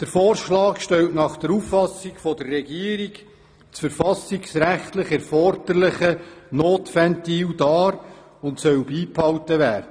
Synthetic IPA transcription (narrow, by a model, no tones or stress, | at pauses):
d̥əɾfoːɾʃlɑːkʃtɛltnɑχd̥əɾufːɑsikfɔdərːɛɡiːəɾik | t͡sfəɾfɑsiksɾæχtlɪχɛɾfɔɾd̥əɾlɪχənoːtfæntiːwdɑːɾ | ʊntsœwbiːphɑwtəʋæːrdə